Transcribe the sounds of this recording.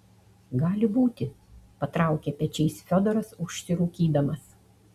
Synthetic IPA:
ɡɑːlʲɪbuːt̪ʲɪ | pɐt̪ɾɑˑʊkʲɛpʲɛt͡ʃʲɛɪsfʲɔd̪ɔɾɐsʊʃʲsʲɪɾuːkʲiːd̪ɐmɐs

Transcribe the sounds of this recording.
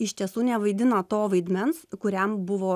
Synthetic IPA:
ɪʃʲt̪ʲiɛsuːnʲɛʋɐɪd̪ʲɪnɐt̪oːʋɐɪd̪ʲmʲɛnskʊɾʲɛmbʊʋoː

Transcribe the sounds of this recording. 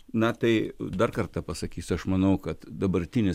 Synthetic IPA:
nɐt̪ɐɪd̪ɐrkɐrt̪ɐpɐsɐkʲiːsʲɐʃmɐnɐʊkɐt̪d̪ɐbɐɾʲt̪ʲɪnʲɪ

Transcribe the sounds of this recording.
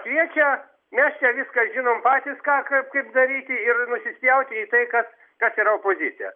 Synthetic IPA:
kʋʲiɛt͡ʃʲɛ | mʲɛst͡ʃʲɛʋʲɪskɐsʒʲɪnoːmpɑːt̪ʲiːskɑːkɐp̚kɐɪpd̪ɐɾʲiːt̪ʲɪɪrnʊsʲɪsʲjɛʊt̪ʲɪiːt̪ɐɪkɐs | kɐsiːɾɐoːpoːzʲɪt͡s̪ʲɪjɛ̰

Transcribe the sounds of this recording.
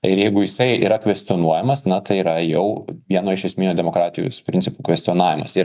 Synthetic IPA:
ɪɾjɛɪɡʊjɪsɐɪḭːɾɐkʋʲɛsʲt̪ʲonuɔjɛmɐsnɐt̪ɐɪiɾɐjɛʊʋʲiɛnoːɪʃʲɛsʲmɪːnʲuːd̪ʲɛmoːkɾɑːt̪ʲɪjo̰ːspʲɾʲɪnʲt͡s̪ʲɪpuːkʋʲɛsʲt̪ʲɔnɑːʋʲɪmɐ̰siː

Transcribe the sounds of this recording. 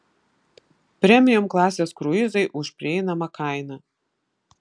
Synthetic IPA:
pʲɾʲɛmʲɪjʊmklˠɑːsʲeːskɾʊɪzɐɪʔʊʃʲpʲɾʲɪɛɪnɐmɐkɑˑɪnɐ

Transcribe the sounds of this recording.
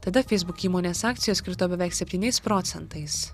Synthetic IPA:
t̪ɐd̪ɐfʲɛɪzbʊkʲiːmoːnʲeːsɑːk̚t̪sʲɪjoːskʲɪɾt̪oːbʲɛʋʲɛˑɪksʲɛpʲt̪ʲiːnʲɛɪspɾɔːt̪sʲɛnt̪ɐɪs

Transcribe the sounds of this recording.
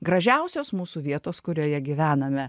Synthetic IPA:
ɡɾɐʒʲæʊsʲoːsmuːsuːʋʲiɛt̪oːskʊɾʲoːjɛɡʲɪʋʲæːnɐmʲɛ

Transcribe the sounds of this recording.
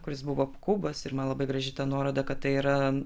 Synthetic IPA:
kʊɾʲɪsbʊʋoːkubɐsɪɾmɐnlˠɐbɐɪɡɾɐʒʲɪt̪ɑnuɔɾoːd̪ɐkɐt̪̚t̪ɐɪiːɾɐ

